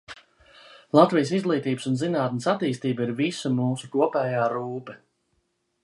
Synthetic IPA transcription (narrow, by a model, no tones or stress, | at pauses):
lˠat̪vijs̬izɡlˠiːt̪iːbəsunzinaːt̪nəsat̪iːst̪iːbiɾvisumuːsukuɔpɛːjaːɾuːpɛ